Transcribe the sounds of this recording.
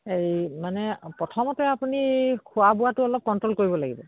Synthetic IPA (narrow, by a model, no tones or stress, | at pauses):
ejmanɛpɹɔtʰɔmɔtɛapunikʰʊabʊwatʊɔlɔp̚kɔntɹolkoɹibɔlaɡḭbɔ